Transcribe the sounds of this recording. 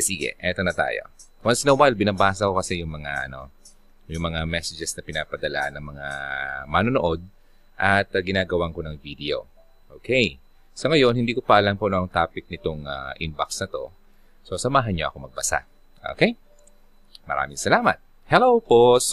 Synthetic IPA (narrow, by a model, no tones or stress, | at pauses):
siɡɛ̰ʔɛt̪o̞nɐt̪a̰ːjo̞̰ | wɐnsnɐwajlbɪnɐbaːs̬ɐko̞kɐsɛjʊŋmɐŋaʔɐno̞̰ | jʊŋmɐŋamɛsɛd͡ʒɛsnɐpɪnaːpɐd̪ɐlaʔnɐŋmɐŋamanonoʔo̞d̪̚ | ʔɐt̪ɐɡɪnaːɡɐwaŋko̞nɐŋvid̪ɛo̞̰ | ʔoːkʰej | sɐŋɐjo̞nhɪnd̪iːkopɐʔɐlɐmponoʔɐŋt̪aːpɪk̚nɪt̪oŋa̰ʔɪnbɐksnɐt̪o̞ | so̞sɐmaːɦɐnɲoʔɐ̰ko̞mɐɡ̚bɐsa̰ | ʔo̰kej | mɐɾa̰ːmɪŋsɐlaːmɐ̰t̪̚ | hɛlowpos